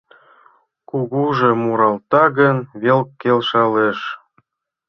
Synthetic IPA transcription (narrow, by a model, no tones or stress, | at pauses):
kuɣuʒemuɾɑlt̪ɑɣənβelkːelʃɑleʃ